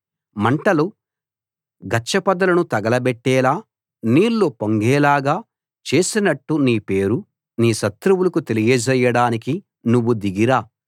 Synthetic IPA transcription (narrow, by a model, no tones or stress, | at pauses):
mɐɳʈɐlu | ɡɐt͡ʃːɐpɐd̪ɐlɐnut̪ɐɡɐlɐbɛʈːɛːlaː | niːlːoːpoŋɡɛːlaːɡaː | t͡ʃe̞ːsinɐʈːuniːpe̞ːɾu | niːʃɐt̪ɾuwulɐkut̪e̞lijɐd͡ʒɐjɐɽaːniki | nuʋːud̪iɡiɾaː